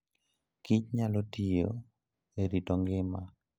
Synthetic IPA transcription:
kɪt͡ʃɲalotijo̰ | eɾitoŋɡɪma

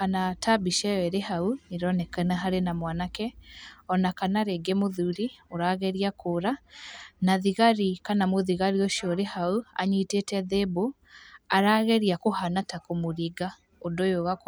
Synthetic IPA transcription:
kanatʰabiʃɛɛɾehauniɾɔnɛkanaɦaɾenamwanakɛɔnakanaɾeɡemoðuɾioɾaɣɛɾiakʰoɾanaðiɣaɾikanamoðiɣaɾioʃiɔɾehaua̰ɲitetɛðebo | aɾaːɣɛɾiakohanatakomoɾiɡa | odojoɣak

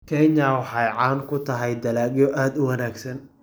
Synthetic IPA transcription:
kʰɛɲɐwɑħɑjʕɑːŋkʰʊt̪ʰɐɦɛjd̪ɐlaːɡjɔʔaːd̪ʊwɐnaːɡsɐn

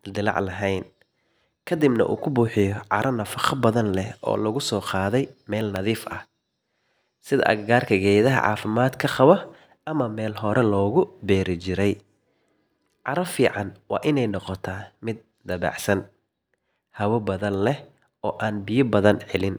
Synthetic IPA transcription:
d̪ɪlɑ̰ʕlɐɦɛjn | kʰɐd̪ɪbnɐ̰ʔṵːkʰʊbuːħɪjɔʕɑ̰ɾʔɐnɐfɑχɐbɐðɐnlɛhɔ̰ːlɐɣʊsɔːqɑːðɛjmɛːlnɐðiːfʔɐ̰h | sɪðɐ̰ʔɐ̰ɡɡaːrkʰɐɡɛːjðɐɦɐ̰ʕɑ̰ːfɪmaːd̪kʰɐqɑβɐ | ʔɐmɐmɛːlɦɔɾʔɛlɔːɣʊbɛːɾɪt͡ʃɪɾɛj | ʕɑɾɐfiːʕɑnwɑ̰ːʔɪnɛjnɔqɔt̪ʰaːmɪd̪̚ | d̪ɐβɑ̰ːʕsɐn | hɐwɐbɐðɐnlɛh | ɔːʔaːnbɪjɐbɐðɐnʕɛlɪn

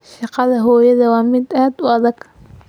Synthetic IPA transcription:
ʃɑqɑðɐɦɔːjɐðɐwɑːmɪd̪ɐhaːd̪ʊɑðɐɡ̥

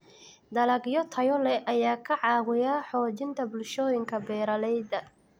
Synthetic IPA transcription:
d̪ɐlɐɡjɔt̪ʰɐjɔlɛʔɐjaːkʰɐʕɑːwɪjaːħɔːt͡ʃɪnt̪ʰɐbʊlʃɔːjɪŋkʰɐbɛːɾɐlɛjd̪ɐ

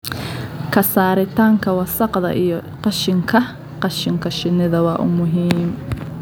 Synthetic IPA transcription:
kʰɐsaːɾɪt̪ʰaːŋkʰɐwɑsɑqðɐ̰ʔijɔqɑʃɪŋkʰɐ | qɑʃɪŋkʰɐʃɪnɪðɐwɑːʔʊ̰mʊɦiːm

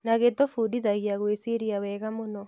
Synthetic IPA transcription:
naɣetofudiðaɣjaɣwesiɾiawɛɣamonɔ

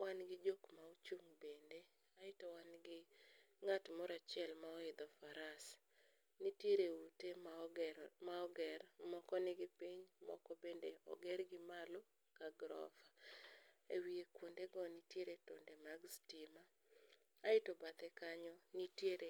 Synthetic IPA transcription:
wanɡɪd͡ʒokmaut͡ʃuŋbende | aɪtɔwanɡɪ | ŋatmɔɾat͡ʃɪɛlmaɔɪd̪ɔfaɾas | nitjeɾeute | maɔɡɛrmɔkɔnɪɡɪpiɲmɔ̰kɔbendeɔ̰ɡɛrɡɪmalo | kaɡɾɔ̰fa | ewiekwondeɡɔnitjeɾeto̰ndemaɡstimaː | ɪtɔbat̪ɛkaɲɔnitjeɾe

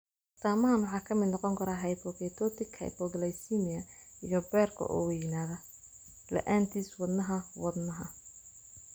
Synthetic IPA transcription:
t̪ʰaːmɐɦɐnwɑħɑːkʰɐmɪd̪nɔqɔŋkʰɐɾaɦɐjpʰɔɡɛt̪ʰɔt̪ʰɪkhɐ̰jpɔɡlɛjsimɪɐ | ijɔbɛrkʰɔ̰ʔɔ̰wɛjnaːðɐ | lɛ̰ʔaːnt̪ʰiːswɑd̪nɐɦɐwɑd̪nɐɦɐ

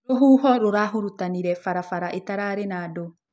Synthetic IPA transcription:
ɾoɦuːɦɔɾoɾaɦoɾutaniɾɛfaɾafaɾaʔetaɾaːɾenaːdo

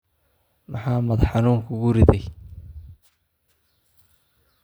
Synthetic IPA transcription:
mɑħɑːmɐd̪ħɑnuːŋkʰʊɡʊɾɪðɛj

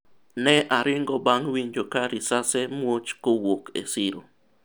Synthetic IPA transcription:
neʔaɾiŋɡobaŋwinjokaɾisasemwut͡ʃkuwokḛsiɾo

